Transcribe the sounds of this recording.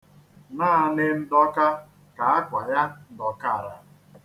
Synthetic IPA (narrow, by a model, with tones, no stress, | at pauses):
naː˦˨nɪ˦n̩˦dɔ˦ka˦ | ka˨a˦kʷa˨ja˦n̩˦˨dɔ˨ka˦˨ɾa˨